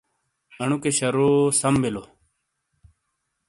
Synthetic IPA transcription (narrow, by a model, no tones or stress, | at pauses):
ɐɳukeɕɐɾosɐmbilo